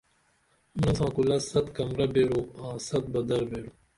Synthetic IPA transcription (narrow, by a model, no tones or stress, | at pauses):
ʊnnɐs̬ãːkulɐsɐt̪kɐmɾɐbeːɾõːãːsɐt̪̚bɐd̪ɐɾbeːɾũː